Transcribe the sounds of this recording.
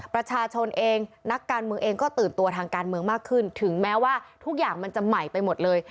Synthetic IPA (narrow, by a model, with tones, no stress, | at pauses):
pɾa˧t͡ɕʰaː˧t͡ɕʰo˧nʔeː˧ŋna˦˥kːaː˧nmɯ˧əŋʔeː˧ŋkɔː˥˩t̪ɯː˨˩nt̪u˧ɐt̪ʰaː˧ŋkaː˧nmɯ˧əŋmaː˥˩kʰːɯ˥˩nt̪ʰɯ˩˦ŋmɛː˦˥waː˥˩t̪ʰu˦˥k̚jaː˨˩ŋma˧nt͡ɕa˨˩ma˨˩jpa˧jmo˨˩t̪̚lɤː˧j